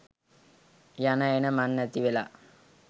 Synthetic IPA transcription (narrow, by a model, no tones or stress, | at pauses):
janaenəmanːət̪iʋela